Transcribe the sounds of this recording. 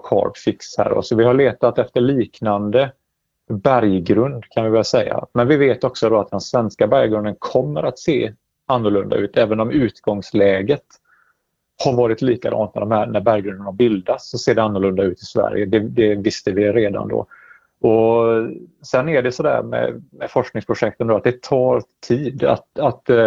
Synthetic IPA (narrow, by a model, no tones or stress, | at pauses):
kʰɑ̰ːɾpfɪkshæ̰ːɾɔ̰sɔvɪhaɭeːt̪at̪ɛft̪əɭiːknand̪ə | bæɾjɡɾɵnd̪kʰanvɪbɑːɡasɛjːa̰mɛnvɪveːt̪ɔksɔd̪ɔat̪̚d̪ɛnsvɛnskabæɾjɡɾɵnd̪ənkʰɔmːəɾat̪seː | anːʊɭɵnd̪a̰ʉ̟ːt̪ɛːvənɔmʉ̟ːt̪ɡ̥ɔŋslɛːɡət̪ | haɾvɑːɾɪt̪liːkad̪ɑ̰ːnt̪næ̰ɖɔmhæɾnæɾbæɾjɡɾɵnd̪ənhaɾbɪld̪at̪sɔseːɖɛanːʊlɵnd̪aʉ̟ːt̪ɪsvæ̰ɾjəd̪ɛd̪ɛvɪst̪əvɪɾeːd̪a̰nd̪o̰ | ɔ | sɛnːæɖɛsɔd̪æ̰ːɾmɛ̰mɛfɔʂknɪŋspʰɾʊʂɛk̚t̪ənd̪oːat̪̚d̪ɛt̪ʰɑːɾt̪ʰiːd̪a̰t̪at̪